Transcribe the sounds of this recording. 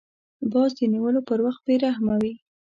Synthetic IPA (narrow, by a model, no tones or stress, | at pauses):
bɑzd̪əniwəlopəɾwaxt̪̚beɾahmawi